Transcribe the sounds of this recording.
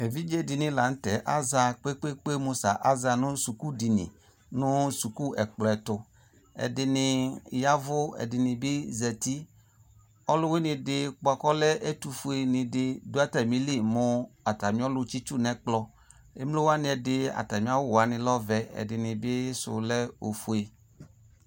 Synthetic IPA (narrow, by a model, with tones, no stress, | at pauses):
ɛ˨vi˦d͡ʒe˦dɪ˨nɪ̃˨la˨n̩˦tɛ˨ʔa˦za˨˧k͡pe˦k͡pe˦k͡pe˦mo˧sa̰˨ʔa˦za˧nʊ̃˦su˨ku˦di˨nḭ̃˨ | nʊ̃˦su˨ku˦ɛ˨k͡plɔ˨ɛ˨tʊ˨ | ɛ̰˨dɪ˨nɪ˨ja˦vʊ˦ɛ̰˨dɪ˨nɪ̃˨bɪ˦zɛ˨ti˦ | ɔ˦lʊ˦wɪ˦nɪ̃˧dɪ˨k͡pɔ˨kɔ˦lɛ˦ʔe˦t̪u˨fu˨˦e˨nɪ̃˨dɪ˨do˦a˦tɛ˨mĩ˦li˦˨mʊ˦a˨ta˨mĩ˦ɔ˦lʊ˦t͡ʃi˦t͡ʃu˦˨nɛ̃˨k͡plɔ˦ | ḛ˦mlo˦wa˦nɪ̃˦ɛ˨dɪ˦a̰˨ta˨mĩ˨˦a˦wa˨nɪ̃˨lɔ˦vɛ˨ɛ̰˨dɪ˨nɪ̃˨bɪ˦sʊ̰˨lɛ˦o̰˨fu˨˦e˨